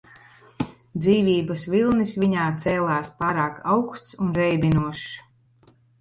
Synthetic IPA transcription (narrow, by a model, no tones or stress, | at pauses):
d̪ziːvʲiːbɐsvilˠnisviɲaːt̪sɛːlˠaːspaːɾaːkawkst̪sunɾɛjbʲinuɔʃ